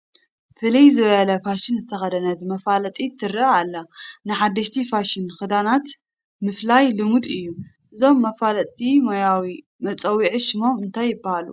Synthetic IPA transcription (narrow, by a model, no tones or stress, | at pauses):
fɨlijzɨβɐjɐlɐfaʃɪnzɨt̪ʰɐxɐd̪ɐnɐt̪mɐfalɐt̪ʼit̪ʰɨɾɨalːɐnɨħad̪ːɐʃt̪ʰifaʃɪnxɨd̪anat̪ | mɨflajlɨmud̪ɨjːu | ʔɨzo̞mːɐfalɐt̪ʼimojawi | mɐt͡sʼɐwiʕɨʃɪmo̞mɨnt̪ʰajːɪbahalṵ